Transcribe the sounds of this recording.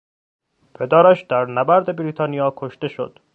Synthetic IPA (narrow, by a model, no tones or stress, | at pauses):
pʰed̪æːɾæʃd̪̥æɾnæbæɾd̪e̞bɾiːt̪ʰɒːnijɒːkʰoʃt̪e̞ʃo̰d̪̥